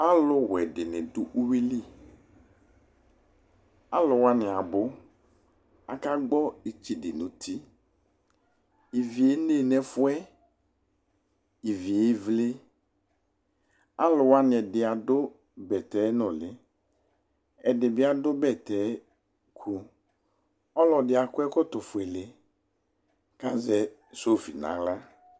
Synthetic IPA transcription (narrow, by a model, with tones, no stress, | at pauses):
a˦lʊ˦wɛ˨dɪ˨nɪ˨dʊ˦ʔu˦wi˦li˦˨ | a˦lʊ˨wa˦nɪ̃˨a˨bʊ˦ | a̰˨ka˦ɡ͡bɔ˦e˨t͡ʃi˨dɪ˨nʊ̃˨t̪ʰi˦ | i˨vi˨e˦ne˦˨nɛ˨fʊ˦ɛ˦ | i˨vi˨e˦vlɪ˦ | a˦lʊ˨wa˦nɪ˨ɛ˨dɪ˨a˨dʊ˦ | bɛ˨tɛ˨˦nɔ˨lɪ˨˦ | ɛ˨dɪ˨bɪ˦a˨dʊ˦bɛ˦˨tɛ˨˦ | kʰu˦ | ɔ˦lɔ˨dɪ˨a˨kʊ˦ɛ˦kʊ˦tʊ˨fʊ˨e˨lɪ˨ | ka˦zɛ˨ | so˦˨fḭ˨nã̰˨˦la˦